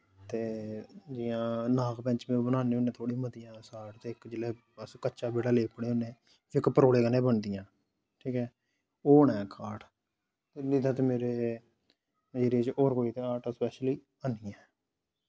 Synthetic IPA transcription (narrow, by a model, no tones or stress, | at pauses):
t̪eːd͡ʒɪjãːnaːkpɛ̃ɲt͡ʃmeːbənaːneːoːneːt̪ʰoːɽiməd̪ɪjãːsaːʈt̪eːɪkd͡ʒɪlɛː | əskəːt͡ʃaːbeːɽaːleːpəɽeːoːneː | ɪkpəɾoːleːkəneːbəɳd̪ɪjãː | ʈʰiːkɛː | oːɳɛːkʰaːʈ | t̪edid̪ãːt̪eːmeːɾeː | d͡ʒeɾeːt͡ʃʔɔːɾkoːiːt̪eːaːʈːspɛːʃliː | əniːɛ̃ː